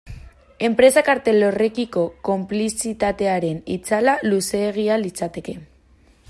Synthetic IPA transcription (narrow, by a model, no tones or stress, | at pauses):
e̞mpɾe̞sakaɾt̪elo̞re̞kiko̞ko̞mplisit̪at̪e̞aɾe̞nḭt͡salaluse̞ːɣ̞ialit͡sat̪e̞ke̞